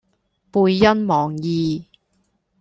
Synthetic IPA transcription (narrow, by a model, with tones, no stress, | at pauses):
puː˧jːɐ˥nmɔː˨˩ŋjiː˨˧